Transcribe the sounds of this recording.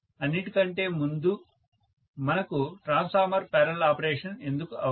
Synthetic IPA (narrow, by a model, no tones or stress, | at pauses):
ɐnːiʈikɐɳʈe̞ːmund̪u | mɐnɐkuʈɾaːnspʰaːɾmɐɾpɛːɾɐlaːpɐɾeːʂɐne̞nd̪ukuʔɐ